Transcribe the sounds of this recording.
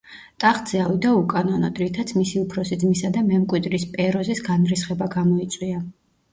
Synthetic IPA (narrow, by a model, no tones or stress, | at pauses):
t̪ʼaχd̪z̥ɛavid̪aukʼanɔnɔd̪ʼɾit̪ʰat̪sʰmisiupʰɾɔsid̪zmisad̪amɛmkʼwid̪ɾispʼɛɾɔzisɡanɾisχɛbaɡamɔit̪sʼwia